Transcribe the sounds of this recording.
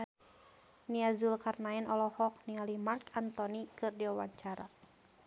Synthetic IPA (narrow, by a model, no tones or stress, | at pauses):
niazulkarnaɛnʔɔlɔhɔk̚nialimarkant̪ɔnikɨrdiwawa̰ɲt͡ʃaɾa̰